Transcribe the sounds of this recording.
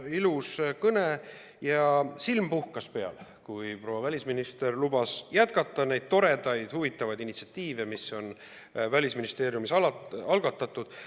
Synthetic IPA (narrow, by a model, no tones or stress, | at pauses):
iluskɤne | jɑsilmpuhkɑspe̞ɑ̰lkujpro̞wɑvælʲisminist̪e̞rlubɑsjæt̪kɑt̪ːˑɑne̞jd̪̥̚t̪o̞ɾe̞d̪̥ɑjd̪̥huvit̪ːˑɑvɑjd̪init̪si̥ɑt̪ːiːvemisːo̞n | vælʲisminist̪e̞ːɾjumisɑlɑɑlɡ̥ɑt̪ːˑɑt̪ːˑud̪̥